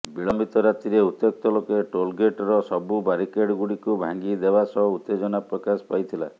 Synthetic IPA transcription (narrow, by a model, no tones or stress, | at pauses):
biɭɔmbit̪ɔɾat̪iɾeut̪ːek̚t̪ɔlokeʈolɡeʈɔɾɔsɔbubaɾikeɖɡuɽikubʱa̰ŋɡid̪ebasɔɦɔut̪ːed͡ʒɔnapɾɔkasɔ̥pajt̪ʰila̰